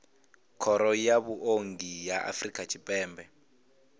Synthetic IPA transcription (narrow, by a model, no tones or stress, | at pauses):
kʰɔɾɔjaβuʔoŋɡijaʔa̰frikʼat͡ʃʰipʼɛːmbɛ